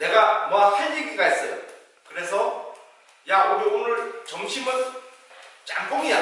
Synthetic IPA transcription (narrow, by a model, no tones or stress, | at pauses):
ne̞ɡamwapʰeikʰiɡais͈ʌjo̰ | kɯɾe̞sʰʌ | jaoɾionɯɭt͡ɕʌŋɕʰimɯn | t͡ɕaŋk͈oŋia